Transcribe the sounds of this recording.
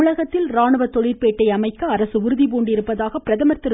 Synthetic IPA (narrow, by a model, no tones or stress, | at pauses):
ʊɭɐɣɐt̪ːɪlɾaːɳɯʋɐt̪ːɔɻɪɾpeːʈːɐɪɐmɐɪkːɐɐɾɐsɯʊɾɯðipuːɳɖɪɾɯpːɐðaːɣɐpːɪɾɐðɐmɐɾt̪ːɪɾ